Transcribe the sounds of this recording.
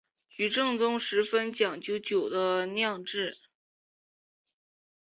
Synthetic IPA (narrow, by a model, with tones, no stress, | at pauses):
t͡ɕy˧˥ʈ͡ʂɤ˥˩ŋt͡sʊ˥ŋʂɻ̩˧˥fə˥nt͡ɕjɑ˨˩ŋt͡ɕjo˧˥ʊt͡ɕjo˨˩ʊd̪ə˦njɑ˥˧ŋʈ͡ʂɻ̩˥˩